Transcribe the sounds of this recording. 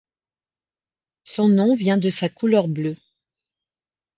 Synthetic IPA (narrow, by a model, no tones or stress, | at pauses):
sɔ̃nɔ̃vjɛ̃d̪əsakulœʁblø